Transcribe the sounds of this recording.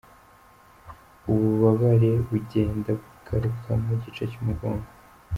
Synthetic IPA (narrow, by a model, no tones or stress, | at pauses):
uβuβaβaɾe̞βuɟe̞ːndabɡukʰaɾukʰamuɟit͡ʃacimuɡoːmɡo̥